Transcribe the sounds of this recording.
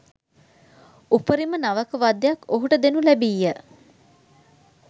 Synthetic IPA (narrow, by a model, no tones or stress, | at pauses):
upəɾimənaʋəkəʋad̪jakːoɦuʈəd̪enulæbijːə